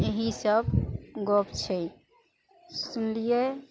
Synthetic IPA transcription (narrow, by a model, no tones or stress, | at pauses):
eɦisəbɡopt͡ʃʰɛ | sunlije